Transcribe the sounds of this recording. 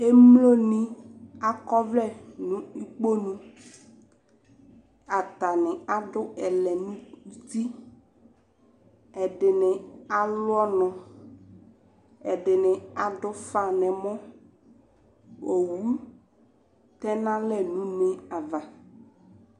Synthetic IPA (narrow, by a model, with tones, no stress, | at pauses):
e˦mlo˦nĩ˦a˦kɔ˦vlɛ˦˨nũ˦i˦k͡po˦nũ˦ | a˨t̪a˨nɪ̃˨a˨dʊ˦ɛ˨lɛ˨nũ˦ti˦ | ɛ˨dɪ˨nɪ̃˨a˨lʊ˦ɔ˦nɔ̃˨ | ɛ˨dɪ˨nɪ̃˨a˨dʊ˦fa˨nɛ̃˨mɔ̃˦ | o˨wu˦ | t̪ɛ˦nã˦lɛ˨nũ˨˦nɪ̃˦a˨va˨